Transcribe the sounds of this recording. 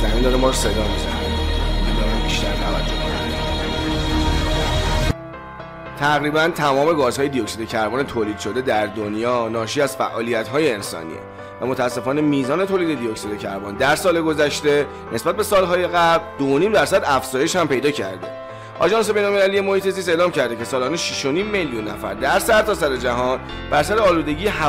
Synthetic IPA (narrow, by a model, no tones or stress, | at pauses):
zæmind̪ɒːɾemɒːɾose̞d̪ɒːmizæ̰ned̪id̪ɒːɾæmbiʃt̪æɾt̪ʰævæ̰t̪ʰːikʰonæ̰nd̪ | t̪ʰæɣɾiːbænt̪ʰæmɒːme̞ɡɒːzɦɒːjed̪ijocsid̪ecʰæɾbɒːnet̪ʰoːliːd̪̥ʃo̞d̪e̞d̪æɾd̪onjɒːnɒːʃiːæz̥fæ̰ʔɒːlijæt̪ɦɒːje̞ːnsɒ̰ːnḭːḛ | væmot̪ʰææsːe̞fɒːne̞miːzɒːne̞t̪ʰoːlid̪e̞d̪ijoksid̪ecʰæ̰ɾbɒ̰nd̪æɾsɒːle̞ɡo̞zæʃt̪e̞ | nʔe̞sbæt̪̚be̞sɒːlɦɒːje̞ɣæbld̪ooniːmd̪æɾsæd̪æfz̥ɒːje̞ʃhæmpe̞jd̪ɒːcʰæ̰ɾd̪e̞̰ | ʔɒ̰ʒɒːns̬e̞be̞jnolme̞lælije̞mo̞hiːt̪ʰe̞ziːs̬te̞ːlɒːmcʰæɾd̪e̞cʰe̞sɒːlɒːneʃiʃo̞niːmːeljunːæ̰fæ̰ɾd̪æɾsæɾt̪ʰɒːsæɾe̞d͡ʒæɦɒn | bæɾsæɾeɒːluːd̪e̞ɟiːjeɦæ